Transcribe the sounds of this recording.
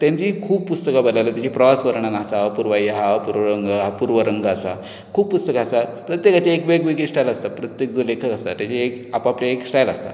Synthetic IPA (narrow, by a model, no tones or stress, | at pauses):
t̪ãɲt͡ɕikʰuːb̚pust̪əkabəlajlat̪jat͡ɕipɾəʋasʋəɾɳanasapuɾʋajəɦapuɾʋəɾəŋɡəɦapuɾʋəɾəŋɡəːsa̰ | kʰuːbpːust̪əkaːsapɾət̪jekat͡ɕaekʋeɡʋeɡisʈajlast̪apɾət̪jek̚d͡zolekʰəkast̪a̰t̪jat͡ɕiekapapljaeksʈajla̰st̪a̰